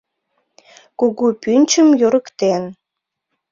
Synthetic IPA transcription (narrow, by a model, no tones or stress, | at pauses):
kuɣupynʲt͡ɕəmjoɾəkt̪en